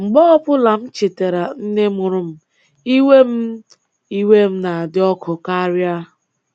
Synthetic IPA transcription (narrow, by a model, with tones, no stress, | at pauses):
ŋ͡m̩˨ɡ͡bɔ˦ɔ˦pʊ˦la˨m̩˦t͡ʃi˨te˨ɾa˨n̩˦ne˦mʊ˨ɾʊ˦m̩˦ | i˦we˦m̩˦ | i˦we˦m̩˦na˨dɪ˦ɔ˦kʊ˨ka˦ɾja˦